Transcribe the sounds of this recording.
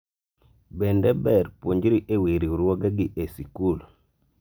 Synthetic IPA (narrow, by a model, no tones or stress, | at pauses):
bɛndɛbɛɾpwoɲd͡ʒiɾiʔeweɾiuɾɔɡaɡiʔesikul